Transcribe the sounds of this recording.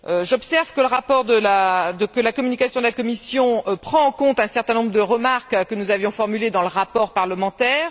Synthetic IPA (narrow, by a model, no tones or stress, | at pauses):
øʒɔpsɛʁvkələʁapɔʁd̪əlad̪əkəlakɔmynikasjɔ̃d̪əlakɔmisjɔ̃pχɑ̃ːkɔ̃t̪ɛ̃sɛʁt̪ɛ̃nɔ̃bʁəd̪əʁəmaʁkkənuzavjɔ̃fɔʁmyled̪ɑ̃ləʁapɔʁpaʁləmɑ̃t̪ɛːʁ